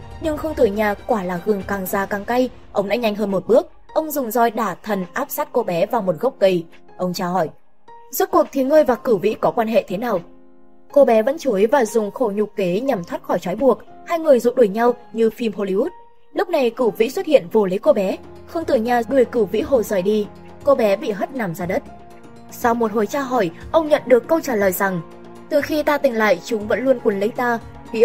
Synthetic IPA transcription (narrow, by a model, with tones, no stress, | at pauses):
ɲɨ˧ŋxə˧wŋ͡mt̪ɨ˨˧˩ɲaː˨˩kwaː˧˩laː˨˩ɣɨ˨˩əŋkaː˨˩ŋzaː˨˩kaː˨˩ŋka˧j | ʔə˧wŋ͡mɗa̰ː˧˥ɲa˧jŋ̟ɦəː˧nmo˨˩t̚ɓɨ˦˥ək̚ | ʔə˧wŋ͡mzʊ˨˩ŋ͡mzɔ˧jɗaː˧˩t̪ʰə˨˩nʔaː˦˥p̚saː˦˥t̚ko˧ɓɛ˨˦vaː˨˩wmo˨˩t̚ɣə˦˥wk͡p̚kə˧˩j | ʔə˧wŋ͡mt͡ɕaː˧hɔ˧˩j | zu˦˥t̚ku˨˩ək̚t̪ʰi˨˦ŋəː˧jvaː˨˩kɨ˧˩vḭ˧˥kɔ˨˦kwaː˧nɦḛ˧˨t̪ʰe˨˦naː˨˩w | ko˧ɓɛ˨˦və̰˧˥nt͡ɕu˨˦jvaː˨˩zʊ˨˩ŋ͡mxo˧˩ɲʊ˨˩ke˨˦ɲa˨˩mt̪ʰwaː˦˥t̚xɔ˧˩jt͡ɕwɔ˨˦jɓu˨˩ək̚ | haː˧jŋɨ˨˩əjzʊ̰˧˨ɗu˧˩jɲa˧wɲɨ˧fi˧mho˧li˧u˦˥t̚ | lʊ˦˥k͡p̚na˨˩jkɨ˧˩wvḭ˧˥swə˦˥t̚hḭ˧˨ənvu˨˩li˨˦jko˧ɓɛ˨˦ | xə˧wŋ͡mt̪ɨ˨˩ɲaː˨˩ɗɨ˨˩əjkɨ˧˩vḭ˧˥ɦo˨˩zəː˨˩jɗi˧ | ko˧ɓɛ˨˦ɓḭ˧˨ɦə˦˥t̚na˨˩mzaː˧˩ɗə˦˥t̚ | sa˧wmo˨˩t̚ho˨˩jt͡ɕaː˧ɦɔ˧˩jʔə˧wŋ͡mɲə̰˧˨nɗɨ˨˩əkːə˧wt͡ɕaː˧˩ləː˨jza˨˩ŋ | t̪ɨ˨˩xi˧t̪aː˧t̪ï˨˩ŋ̟la̰ː˧˨jt͡ɕʊ˨˦ŋ͡mvə̰˧˥nlu˧ənku˨˩ənlə˨˦jt̪aː˧ | vḭ˧˥